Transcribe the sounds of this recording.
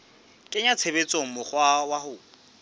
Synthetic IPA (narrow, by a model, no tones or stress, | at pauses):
kʼɪɲat͡sʰebet͡sʼoŋ̩mʊχwawahʊ